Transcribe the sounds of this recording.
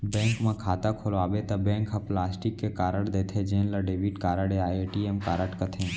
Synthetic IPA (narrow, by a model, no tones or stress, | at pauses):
bẽːŋkmãkʰaːt̪akʰoloaːʋet̪ɐbẽːŋkɦaplaːsʈikːekaːɾəɽd̪eːt̪ʰed͡ʒẽːnlaɖeʋiʈkaːɾəɽeaeʈiemkaːɾəʈkət̪ʰẽ